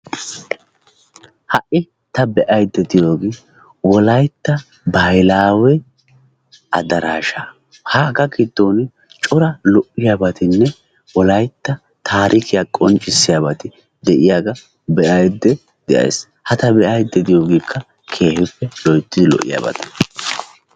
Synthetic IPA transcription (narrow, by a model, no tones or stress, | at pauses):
hɐʔɪ | t̪ɐbɛʔɐjd̪ːɛd̪ɪjo̞ːɡiː | wɔlɐjt̪ːɐ | bɐjlaːwɛ | ʔɐ̰d̪ɐɾaːʃaː | haɡɐkɪd̪ːoːnɪ | t͡ʃʼɔɾɐlɔʔːɪjaːbɐt̪ɪnːɛ | wɔlɐjt̪ːɐ | t̪ʰaːɾʔɪkɪjakʼɔnt͡ʃʼːɪsːɪjaːbɐt̪ɪ | d̪ɛʔɪjaːɡɐ | bɛʔɐjd̪ːɛ | d̪̥ɛʔɐ̰j̰s | hɐt̪ɐbɛʔɐjd̪ːɛd̪ɪjo̞ːɡiːkʰːɐ | kʰe̞ːhɪpːɛlɔjt̪ːɪd̪ɪlɔ̰ʔːɪ̰ja̰ːbɐ̰t̪ɐ̥